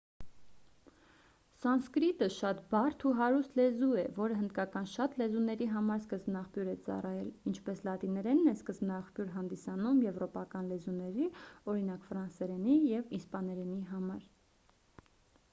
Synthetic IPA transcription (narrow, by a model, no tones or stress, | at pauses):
sɑnskɾit̪əʃɑt̪bɑrt̪ʰuɦɑɾust̪lɛzuɛvɔɾəɦənd̪kɑkɑnʃɑt̪lɛzunɛɾiɦɑmɑɾskəzbnɑχpjuɾɛt͡sɑ̰rɑjɛlint͡ʃʰpɛslɑt̪inɛɾɛnːɛskəzbnɑχpjuɾɦɑnd̪isɑnumjɛvɾɔpɑkɑnlɛzunɛɾiɔɾin̪ɑkfɾɑnsɛɾɛnijɛvispɑnɛɾɛniɦɑmɑɾ